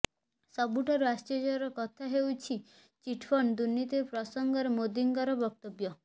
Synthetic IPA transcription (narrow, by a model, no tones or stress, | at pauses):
sɔbuʈʰaɾuasʈɔd͡ʒɔɔɾɔkɔt̪ʰaɦewt͡ʃʰi | t͡ʃiʈʰfʰɔnd̪unːit̪iɾpɾɔsɔŋɡɔɾemod̪iŋkɔɾɔbɔk̚t̪objɔ